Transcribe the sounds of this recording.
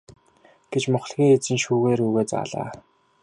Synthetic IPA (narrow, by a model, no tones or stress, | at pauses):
ɡ̥et͡ɕmʊχ̆ɮɣʲiːŋet͡sɘ̆nʃuːɣeːɾuːɣeːt͡sa̰ːɮa̰ː